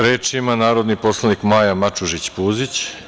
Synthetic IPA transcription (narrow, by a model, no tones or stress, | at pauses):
ɾeːt͡ʃimanaːɾo̞d̪nipo̞slˠanikmajamat͡ʃuʒit͡ɕpuːzit͡ɕ